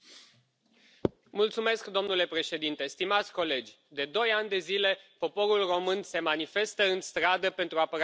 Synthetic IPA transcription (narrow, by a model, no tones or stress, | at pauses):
mult̪sume̞skd̪o̞mnule̞pɾe̞ʃe̞d̪int̪e̞st̪imat̪sʲko̞le̞d͡ʒʲ | d̪e̞d̪o̞janʲd̪e̞zile̞po̞po̞ɾulro̞mɨnse̞manife̞st̪əɨnst̪ɾad̪əpe̞nt̪ɾuapəɾ